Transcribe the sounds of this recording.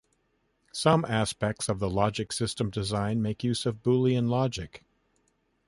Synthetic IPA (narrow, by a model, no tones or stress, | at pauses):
sʌ̃mʔæspɛk̚tsʌvðəlɑd͡ʒɨksɪstə̃mdɨzãɪ̃nmeɪkjʉzʌvbulˠiɨ̃nlɑd͡ʒɨk